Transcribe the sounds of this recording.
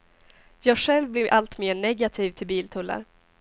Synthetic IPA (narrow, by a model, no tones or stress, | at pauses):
jɑːɡɧɛlvblɪɾʔalt̪meːɳɛɡat̪ʰiːvt̪ʰɪlbiːlt̪ʰɵlːa̰ɾ